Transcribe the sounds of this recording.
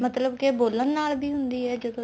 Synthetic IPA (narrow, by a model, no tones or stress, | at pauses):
mət̪ləbkeboːlənːaːlbiːɦʊnd̪iːɦɛːd͡ʒəd̪õː